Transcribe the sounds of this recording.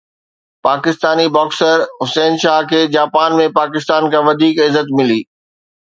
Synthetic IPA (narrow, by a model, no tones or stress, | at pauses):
paːkɪst̪aːnibɔːksəɾɦʊseːnʃaːɦkʰeːd͡ʑaːpaːnmẽpaːkɪst̪aːnkʰãʋɐd̪ʱiːkɪzət̪mɪliː